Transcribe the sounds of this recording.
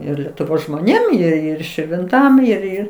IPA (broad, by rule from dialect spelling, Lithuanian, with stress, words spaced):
ˈɪr lʲɛtʊˈʋoːs ʒmoːˈnʲeːm ɪr ˈɪr ʃʲɪrʲʋʲɪnˈtɐm ɪr ˈɪr